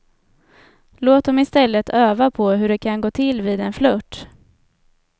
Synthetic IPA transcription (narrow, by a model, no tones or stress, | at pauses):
loːt̪̚d̪ɔmɪst̪ɛlːət̪ʰøːvapʰɔɦɵɖɛkʰanɡoːt̪ʰɪlːvɪːd̪ɛnflɵʈː